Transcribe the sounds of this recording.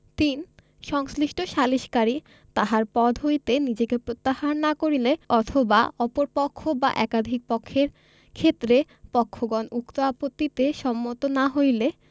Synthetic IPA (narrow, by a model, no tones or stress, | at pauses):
t̪in | ʃɔŋsliʃʈoʃaliʃkaɾi | t̪aɦaɾpɔd̪ʱɦojt̪enid͡ʑekepɾot̪ːahanːakoɾileɔt̪ʰoba̰ɔpoɾpɔkʰːoba̰ʔɛkad̪ʱik̚pɔkʰːeɾ | kʰet̪ːɾe | pɔkʰːoɡɔnukt̪oapot̪ːit̪eʃɔmːot̪onaɦojle